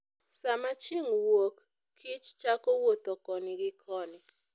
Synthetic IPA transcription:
samat͡ʃɪŋwokːʰ | ɪt͡ʃt͡ʃakowot̪ɔkɔnɪɡɪkʰɔnɪ

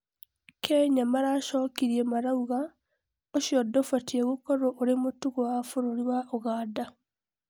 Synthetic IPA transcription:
kʰɛɲamaɾaʃɔːkiɾiemaɾauɣa | oʃjɔdofatieɣokɔɾoʔoɾemotuɣowafoɾoɾiwaʔoɣaːda

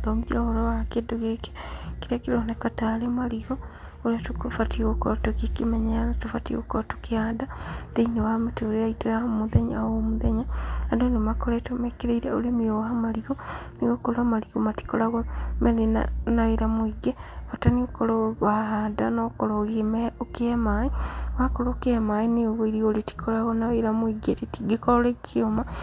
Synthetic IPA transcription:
ðomuðjaɣoɾowakedoɣeke̥kiɾakilonekatalemaliɣo | olatukfatiɣokoɾotukikimeɲalatufatḭɣo̰kootukiadateinewaameteoɾiaitojahmuðeɲaomuðeɲaandonemakoletomekiɾeiɾeolemioahamaliɣoniɣokolamaliɣomati̥kolaɣomelina̰naiɾamuiɡefataniokolowaɦadanokoloɣimeokemaiwakolokemainioβoiɾiɣoliti̥kʰolaɣonaeɾamuiɡetitiɡikololekkioma

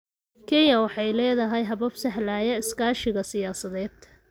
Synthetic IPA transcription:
kʰɛnjɐwɑħɑjlɛːðɐɦɛjɦɐβɐbsɐɦlaːjɐɪskaːʃɪɣɐsɪjaːsɐðɛːd̪̥

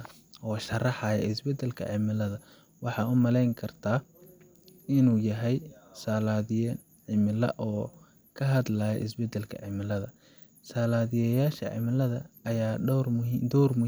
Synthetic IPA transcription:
ɔːʃɐrɑħɑjɛ̰ɪsbɛd̪ɛlkʰɐ̰ʕɪmɪlɐðɐ | wɑħɑːʊmɐlɛjŋkʰɐrt̪ʰaː | ɪnuːjɐɦɛjsaːlaːðɪjɛ | ʕɪmɪlɐ̰ʔɔː | kʰɐɦɐd̪laːjɛ̰ʔɪs̬bɛd̪ɛlkʰɐ̰ʕɪmɪlɐðɐ | saːlaːðɪjɛjaːʃɐ̰ʕɪ̰mɪlɐðɐːjaːɖɔwrmd̪ɔwrmʊ

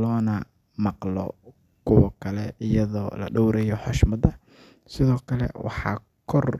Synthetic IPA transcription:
lɔːnɐ | mɑqlɔ̰ | kʰʊwɐkʰɐlɛʔɪjɐðɔːlɐ̰ɖɔwɾɛjɔħɔʃmɐd̪ɐ | sɪðɔːkʰɐlɛ̰wɑ̰ħɑ̰ː | kʰɔr

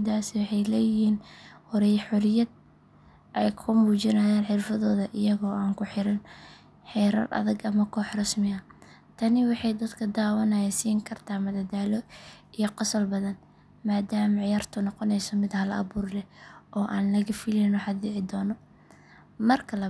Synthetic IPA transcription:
d̪aːsɪwɑħɑjlɛːjɪhiːnhɔɾɛjħʊɾɪjɐd̪̚ | ʔɛjkʰʊmuːt͡ʃɪnaːjaːnħɪrfɐðɔːðɐʔɪjɐɣɔːaːŋkʰʊħɪɾɐn | ħɛːɾɐ̰rʔɐ̰ðɐɡɐmɐkʰɔːħrɐsmɪɐ | t̪ʰɐnɪwɑħɑjd̪ɐd̪kʰɐd̪aːwɐnɐjasiːŋkʰɐrt̪ʰaːmɐd̪ɐd̪aːlɔijɔqɑsɔlbɐðɐn | maːd̪aːmɐʕɪjaːrt̪ʰʊnɔqɔnɛjsɔmɪd̪hɐlɐɐ̰βuːrlɛʔɔːʔaːnlɐɣɐfɪlɛnɔħɑd̪ɪʕɪd̪ɔːnɔ | mɐrkʰɐlɐ

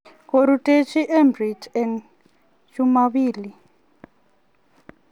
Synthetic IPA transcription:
koɾutʼet͡ʃʰiʔɛmbritʰɛn | t͡ʃumaβiːli

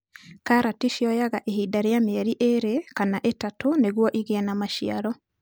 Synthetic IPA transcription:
kaɾatiʃjɔjaɣaʔehidaɾejameɛɾiʔeɾekanaʔetatoneɣwɔʔiɣɛnamaʃia̰ɾɔ

